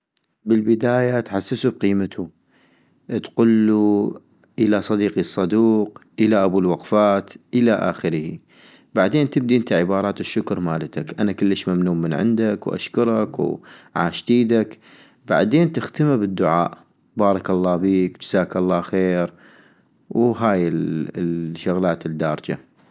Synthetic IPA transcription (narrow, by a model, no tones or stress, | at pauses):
bɪlbɪd̪aːjat̪ħasːɪsub̚qiːmat̪ʰu | t̪qʊlːu | ʔɪlasˤɑd̪iːqisˤːɑd̪uːqʔɪlaʔabuːlwɑqfaːt̪ʔɪlaʔa̰ːxəɾhi | baʕd̪eːnt̪ɪb̚d̪iʔɪnt̪aʕɪbɑːɾˤɑːt̪ɪʃːʊkɾˤmaːlat̪akʔanakʊlːəʃmamnuːmənʕɪ̰nd̪akwʔa̰ʃkʊɾˤɑkwʕa̰ːʃt̪iːd̪ak | ba̰ʕd̪eːnt̪ɪxt̪amabɪd̪ːʊʕaːʔ | bɑːɾˤɑkɑlˤːɑːbiːkd͡ʒɪzaːkɑlˤːɑːxeːɾ | wɦaːjɪ | ʃːʊɣlaːt̪ɪd̪ːaːɾˤd͡ʒa̰